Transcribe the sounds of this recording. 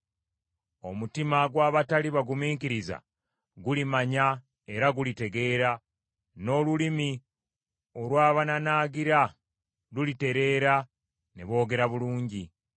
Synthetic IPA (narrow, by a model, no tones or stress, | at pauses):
o̞mutimaɡwaːβataliβaɡumiːŋkiɾiza̰ | ɡulimaɲa | e̞ɾaɡulite̞ɡe̞ːɾa | no̞ːlulimi | o̞lwaːβananaːɡiɾa | lulite̞ɾe̞ːɾa | nḛβo̞ːɡe̞ɾaβuluːɲɟi